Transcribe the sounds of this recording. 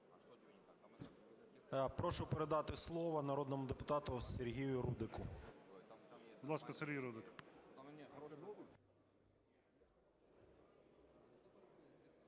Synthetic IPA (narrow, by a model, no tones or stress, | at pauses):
pɾɔʃʊpeɾed̪ɑt̪ɪslˠɔʋɐnɐɾɔd̪nɔmʊd̪epʊt̪ɑt̪ʊserɦʲijʊɾud̪ɪkʊ | bbʊd̪lˠɑskɐseɾʲɦʲijɾud̪ɪk